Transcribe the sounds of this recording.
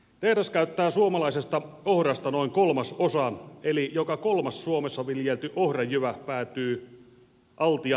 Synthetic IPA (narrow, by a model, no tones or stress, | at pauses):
t̪ehɾæskæyt̪ːæːsuomɑlɑisest̪ɑ | ohrɑst̪ɑnoiŋkolmɑsosɑelijokɑkolmɑssuomesːɑʋiljelt̪yʔohrɑjyʋæpæːt̪yː | ʔɑlt̪iɑ